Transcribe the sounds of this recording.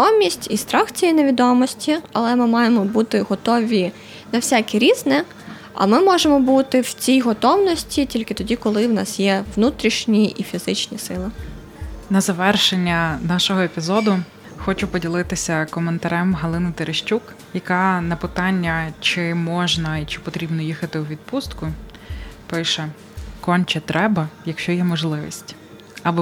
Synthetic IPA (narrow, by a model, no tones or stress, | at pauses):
ɔmʲisʲtʲist̪ɾɑxt͡sʲijineʋʲid̪ɔmɔsʲtʲiɐlˠɛmɪmɑjemɔbut̪ɪɦɔt̪ɔʋʲi | nɐwsʲakʲiɾʲiznɛ | ɐ̰mɪmɔʒemɔbut̪ɪwt͡sʲijɦɔt̪ɔwnɔsʲtʲitʲilʲkɪt̪ɔdʲikɔlˠɪwnɑ̰sjɛʋnut̪ɾʲiʃnʲiʔifʲizɪt͡ʃnʲisɪlˠɪ | nɐzɐʋɛrʃenʲːɐnɑʃɔɦɔepʲizɔd̪ʊ | xɔt͡ʃʊpɔdʲilˠɪt̪ɪsʲɐkɔment̪ɐɾɛmɦɐlˠɪnɪt̪eɾʔeʃt͡ʃʲuk | jɐkɑnɐpɪt̪ɑnʲːɐt͡ʃɪmɔʒnɐit͡ʃɪ̥pɔt̪ɾʲibnɔjixɐt̪ɪwʋʲid̪̚pust̪kʊ | pɪʃɛ | kɔnʲt͡ʃɛt̪ɾʔɛbɐjɐkʃt͡ʃɔjɛmɔʒlˠɪʋʲḭsʲtʲ | ɐbɔ